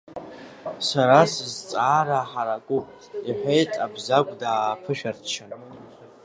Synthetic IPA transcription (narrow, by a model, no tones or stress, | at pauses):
saɾasɨzt͡sʼaːɾaħaɾakʷʼupʼ | iħʷejtʼabzakʷʼdaːpʰɨʃᶣartʰt͡ʃʰan